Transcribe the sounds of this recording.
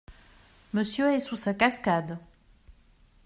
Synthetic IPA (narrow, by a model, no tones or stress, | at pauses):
məsjøɛsusakaskad̪